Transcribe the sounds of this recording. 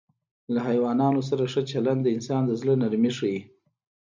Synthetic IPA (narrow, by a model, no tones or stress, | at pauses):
laɦajwɑnɑnos̬aɾaʂət͡ʃaland̪d̪əɪnsɑnd̪əzlənaɾmiʂəji